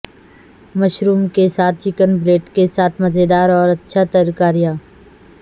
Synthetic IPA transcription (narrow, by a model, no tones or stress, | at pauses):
mɐʃɾuːmkesaːt̪̚ʰt͡ʃɪkənbɾeːʈkesaːt̪ʰmɐzed̪aːɾɔːɾɐtːʃʰat̪əɾkaːɾijaː